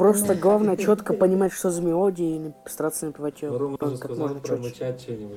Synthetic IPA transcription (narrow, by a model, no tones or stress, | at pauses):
pɾo̞st̪əɡlˠavnəjət͡ɕo̞t̪kəpənʲɪmatʲʂt̪ozəmʲɪodʲɪnəst̪ɾat̪sənəpʲɪvatʲopəkakmoʐnəo